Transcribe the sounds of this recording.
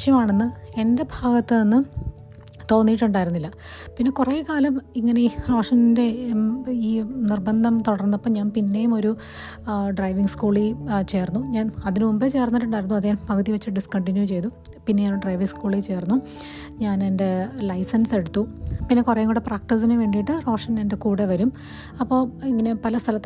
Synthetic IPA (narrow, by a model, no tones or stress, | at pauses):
ʂjɐmaːɳe̞nːɨe̞nde̞bʱaːɡɐt̪ːɨenːɨ | t̪o̞ːnːijiʈːuɳɖaːjiɾunːilːɐ | pinːe̞kureːkaːlɐmiŋːɐneiroːʂɐnnde̞ | iːnirbɐnd̪ʱɐmt̪uɽɐrnːɐpːɐmɲaːnpinːe̞jumo̞ɾu | ɖrɐjʋiŋɡskuːɭit͡ɕe̞ːrnːuɲaːnɐðinɨmumbet͡ɕe̞ːrnːɐɾuʈɐɾunːuɐðiɲaːnpɐkʰɐt̪ːiʋɐt͡ɕːiʈɖiskɐɳʈinjut͡ɕe̞jt̪u | pinːeaːnɖrɐjʋiŋskuːɭit͡ɕe̞ːrnːu | ɲaːne̞nde̞lɐjsɐnse̞ɽut̪ːupinːe̞kurɐjɐŋːɡuɽepraːk̚ʈis̬inɨʋe̞ːɳɖijiʈːɨro̞ːʂɐne̞nde̞kuːɽeʋɐɾum | ɐpːo̞ːiŋːɐne̞pɐlɐst̪ʰɐlɐt̪ː